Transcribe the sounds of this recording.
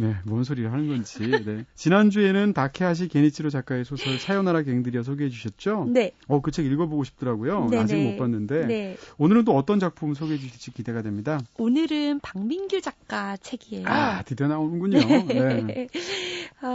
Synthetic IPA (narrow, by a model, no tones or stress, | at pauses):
ne̞mwʌns̬ʰoɾiɾɯɭɦanɯnɡʌnd͡ʑine̞t͡ɕinand͡ʑue̞nɯntakʰe̞ɦaɕ̬ʰike̞ɲit͡ɕʰiɾot͡ɕak͈aesʰosʰʌɭsʰajʌnaɾake̞ŋdɯɾijʌs̬ʰoɡeɦe̞d͡ʑuɕʰʌt̚t͡ɕ͈oneʌkɯt͡ɕʰeɡiɭɡʌboɡoɕʰi̥p̚t͈ʌɾaɡojoad͡ʑiɡɯmop͈anːɯnde̞neonɯɾɯnt̬͈oʌt͈ʌnd͡ʑak̚pʰumsʰoɡeɦed͡ʑuɕʰiɭt͡ɕʰik͈ide̞ɡadwe̞mɲidaonɯɾɯnpaŋminɡjud͡ʑak̚k͈at͡ɕʰe̞ɡiejoatepʰjʌnaonɯnɡuɲone̞